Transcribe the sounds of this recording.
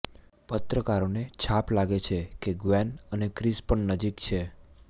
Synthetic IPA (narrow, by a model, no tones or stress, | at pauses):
pət̪ɾəkaɾonet͡ʃʰaplaɡet͡ʃʰekeɡʋɛnənekɾispəɳnəd͡ʒikt͡ʃʰe